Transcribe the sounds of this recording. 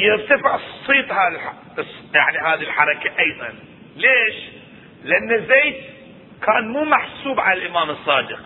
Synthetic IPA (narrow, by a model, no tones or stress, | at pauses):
jɪɾt̪afɪʕsˤːiːt̪ˤhaː | sjaʕniɦaːðilħɑɾˤɑkaʔɑjðˤɑ̰n | leːʃ | lɪʔanːazeːt̪ | kaːnmuːmaħsuːbʕalalʔɪmaːmɨsˤːɑːd̪ɪq̚